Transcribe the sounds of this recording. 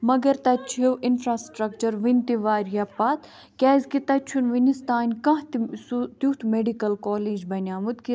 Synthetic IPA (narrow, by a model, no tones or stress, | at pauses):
mɐɡɐɾt̪ɐt͡ʃʰewʔinfɾaːsʈɾɐkt͡ʃɐɾʋinʲt̪iʋaːɾjaːpat̪ | kʲɛːzkit̪ɐt͡ʃʰunʋinist̪aːnʲkɐ̃ɦt̪st̪jut̪meɖikɐlkoːleːd͡ʒbɐnʲaːmut̪ki